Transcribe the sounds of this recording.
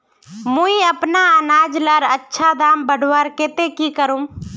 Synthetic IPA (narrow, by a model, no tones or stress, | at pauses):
muiəpnaənaːd͡ʒləɾətːʃʰad̪aːmbəɖʱwəɾket̪ekikəɾũm